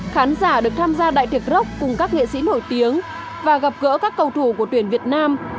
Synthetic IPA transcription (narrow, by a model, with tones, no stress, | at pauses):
xaː˨˦nzaː˧˩ɗɨ˨˩ək̚t̪ʰaː˧mzaː˧ɗa̰ː˧˨jt̪ɨ˨˩ək̚zə˦˥wk͡p̚kʊ˨˩ŋ͡mkaː˦˥k̚ŋḛ˧˨sḭ˧˥no˧˩jt̪i˨˦əŋ | vaː˨˩ɣa˨˩p̚ɣə̰ː˧˥kaː˦˥kːə˧˩wt̪ʰu˧˩ku˧˩ət̪wi˧˩ənvi˨˩ət̚naː˧m